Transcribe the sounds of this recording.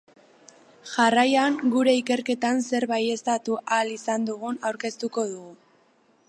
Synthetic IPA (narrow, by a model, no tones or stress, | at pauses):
ʝarajaŋɡuɾe̞ike̞ɾke̞t̪anse̞ɾβaje̞st̪at̪uʔalisand̪uɣ̞unawɾke̞st̪uko̞ðuɣu